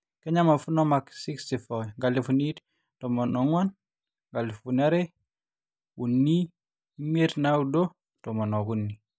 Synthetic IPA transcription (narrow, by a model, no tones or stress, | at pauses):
keɲamafunɔmaksikstifɔŋɡalifunit | tɔmɔnɔŋwan | ŋɡalifunaɾe | wunːi | meɾnawudo | tɔmɔnɔɡunːi